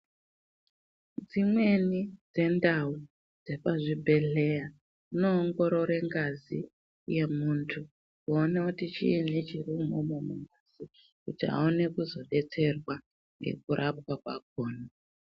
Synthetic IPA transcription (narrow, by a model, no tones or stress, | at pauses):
d͡zimwe̞nid͡ze̞ndau | d͡ze̞paʐibʱe̞ɮe̞ja | ino̞ːŋɡo̞ɾo̞ɾe̞ŋɡazi | je̞muntʰu | kuonekutit͡ʃḭːnit͡ʃirumomomuŋɡaz̥i | kutiɦa̰one̞kuzo̞ɗe̞t͡se̞rwa | ŋɡe̞̰k̚uɾʔap̚kwakwak̚oːna